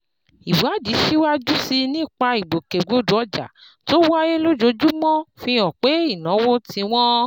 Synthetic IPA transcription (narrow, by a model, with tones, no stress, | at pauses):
i˨wa˨˦d͡ʒi˨˦ʃi˦wa˦d͡ʒu˦si˧nĩ˦˨k͡pa˧i˨ɡ͡bo˨ke˨ɡ͡bo˨˦du˨˦ɔ˧˦d͡ʒa̰˨ | to˦wa˦je˦lo˦d͡ʒo˧˦d͡ʒu˦mɔ̃˦fĩ˧ɔ̃˨k͡pe˨˦i˦˨nɔ̃˨˦wo˦tĩ˧w̃ɔ̃˦